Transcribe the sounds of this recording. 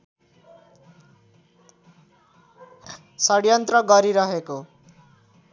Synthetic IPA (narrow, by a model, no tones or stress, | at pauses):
sʌɽjʌnt̪rʌɡʌɾiɾʌɦeko